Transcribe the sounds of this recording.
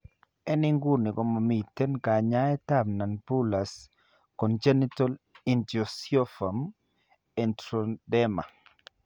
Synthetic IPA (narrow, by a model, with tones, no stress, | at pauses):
ɛ˦nɪ˦ŋɡu˦ni˨kɔ˨ma˨mi˨tːe˦nka˨ɲa˦ɛ˦ta˦mna˨npu˦la˨s | kɔ˨nd͡ʒe˦ni˦tɔ˦li˨ndiɔsjɔ˦fa˨m | ɛ˨ntɾodɛ˦ma̰˨